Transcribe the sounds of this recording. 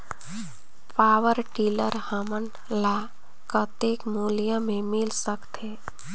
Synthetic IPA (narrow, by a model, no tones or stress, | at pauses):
paːʋəɾʈiːləɾhəmən | la | kət̪eːkmulijãmẽmɪlsəkt̪eː